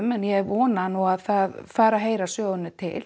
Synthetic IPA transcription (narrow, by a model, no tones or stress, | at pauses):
mɛnjɛɔːnanuaðθaðfaːɾaɦeːjɾasœːɣʏnːʏt̪ʰɪ̰l̥